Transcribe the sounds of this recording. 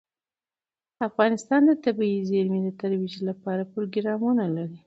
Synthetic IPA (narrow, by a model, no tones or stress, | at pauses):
afɣɑnɪst̪ɑnd̪ət̪abiizeɾmid̪ət̪aɾwid͡ʒlapɑɾapɾoɡɾɑmunalaɾi